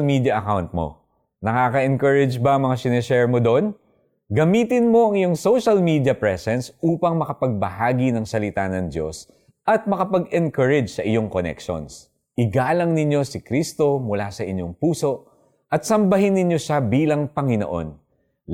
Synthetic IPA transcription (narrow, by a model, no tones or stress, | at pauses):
lmid̪jɐʔɐkawnt̪̚mo̰ | nɐkaːkɐʔɛŋkɐɹɛd͡ʒbɐɐŋmɐŋasɪnɛʃɛɹmod̪oʔn | ɡɐmiːt̪ɪnmo̞ʔɐŋɪjo̞ŋso̞wʃɐlmid̪jɐpɹɛsɛnsʔuːpɐŋmɐkɐpɐɡ̚bɐhaːɡinɐŋsɐlɪt̪anɐŋd̪jo̞̰s | ʔɐt̪̚mɐkɐpɐɡɛnkɐɹɛd͡ʒsɐʔɪjo̞ŋkonɛ̰kʃo̰ns | ʔɪɡaːlɐŋnɪɲjo̞sɪkɾist̪o̞mʊlasɐʔɪɲjoŋpuːso̞ʔ | ʔɐt̪̚sɐmbɐɦɪnːɪɲjo̞ʃabiːlɐŋpɐŋɪno̰ʔo̞̰n